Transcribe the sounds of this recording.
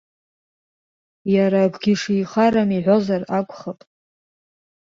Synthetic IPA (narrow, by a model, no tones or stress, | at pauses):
jaɾakʷʰɡʲiʂijχaɾamiħʷozarakʷʼχapʼ